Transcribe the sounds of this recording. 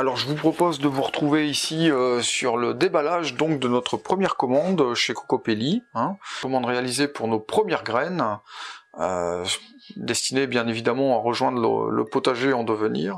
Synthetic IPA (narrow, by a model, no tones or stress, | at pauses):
alɔʁʒəvupχɔpozd̪əvuʁət̪χuveisiøsyʁləd̪ebalaʒd̪ɔ̃k̚d̪ənɔt̪χəpχəmjɛʁkɔmɑ̃d̪ʃekɔ̥kɔpeliɛ̃kɔmɑ̃d̪ʁealizepuʁnopχəmjɛʁɡʁɛn | ø̰ | d̪ɛst̪inebjɛ̃nevid̪amɑ̃aʁəʒwɛ̃d̪ʁlə̰lə̰pot̪aʒeɑ̃d̪əvənḭːʁ